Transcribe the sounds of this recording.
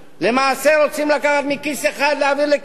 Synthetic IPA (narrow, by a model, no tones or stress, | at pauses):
le̞maːseɾo̞t͡simlakaχat̪mikiseχad̪leaviʁlek